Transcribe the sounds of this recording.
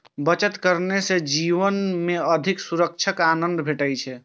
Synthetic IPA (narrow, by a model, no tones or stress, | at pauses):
bət͡ʃət̪kəɾnesed͡ʒiʋənmeəd̪ʱiksuɾək̚t͡ʃʰəkanənd̪bʱeʈəjt͡ʃʰɛ